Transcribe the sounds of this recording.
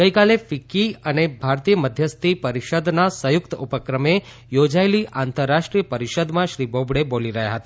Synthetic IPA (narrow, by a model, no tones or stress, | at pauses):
ɡəikalefikiənebʱaɾt̪ijəməd̪ʱjəst̪ʰipəɾiʃəd̪nasəjʊkt̪upəkɾəme | jod͡ʒaeliʔʔant̪əɾːaʃʈɾijəpəɾiʃəd̪mãʃɾibobɽeboliɾəɦja̰ɦət̪a